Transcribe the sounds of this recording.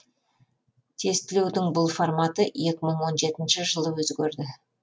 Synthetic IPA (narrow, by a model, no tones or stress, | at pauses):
t̪ʰe̞st̪ɪle̞wd̪ɪŋbʊlˠformat̪əje̞kʲɪməɴwo̞nʒe̞t̪ɪnʃɪʒəlˠəwɵzɡʲeɾd̪ɪ